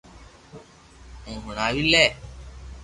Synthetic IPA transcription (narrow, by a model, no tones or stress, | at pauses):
ũːɦʊɳaːʋilɛː